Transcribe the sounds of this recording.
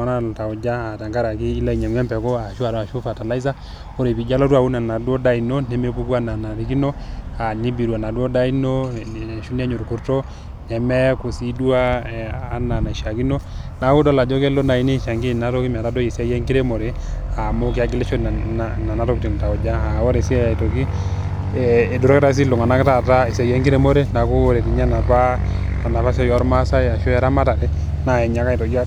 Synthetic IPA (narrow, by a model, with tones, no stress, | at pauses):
a˦na˦˨ta˨u˨d͡ʒa˦a˨ta˨ŋɡa˦ɾa˨kiː˦la˦i˨ɲɛ˨m˦ɛ˦mpɛ˨ko˦a˨ʃu˦a˨a˨ʃu˦fa˨ta˨la˦i˦s̬a˦ | mo˦ɾe˨pi˨d͡ʒa˦lɔ˦tu˦a˨wu˦na˨na˨dwɔ˦da˦i˨no˦nɛ˨me˦ku˦ku˦a˦na˨na˨ɾi˨ki˦no˦a˨ni˦bi˨ɾu˨a˨na˨dwɔ˦da˦i˦no˦˨ʃu˦n˦ɛ˦ɲo˨ɾku˨ɾtɔ˦ | nɛ˨mɛ˦ku˨si˦du˦a˦˨a˦na˨na˨ʃa˨ki˦no˦na˨˦u˦dɔ˦la˨d͡ʒo˦ke˦lo˦na˨i˦ni˦˨ʃa˨ŋɡi˦na˦to˦ki˦m˨a˨ta˦do˦ji˨sa˦jɛ˦ŋki˦ɾe˦mo˨ɾe˦ | a˨mo˦kɪ˦a˦ɡi˦le˦ʃo˦˨a˨na˨na˦tɔ˦kti˨ŋ˨ta˨ɔ˨d͡ʒa˦a˨wɔ˦ɾe˨si˦jto˨ki˦ | ɛ˨do˨ɾɔ˦kɛ˦ta˦s̬i˦lo˨ŋa˨na˦kta˦ta˦e˨sa˨jɛ˦ŋki˦ɾe˦mo˦ɾe˦na˨ku˦ɾe˨ti˨ɲa˦na˨pa˦ | a˨na˨pa˦s̬ɛ˦jɔ˦ɾma˦sa˦ja˨ʃo˦ɛ˦ɾa˦ma˦ta˨ɾɛ˦ | na˨ɛ˨ɲa˨ka˦i˨to˨ki˦a˦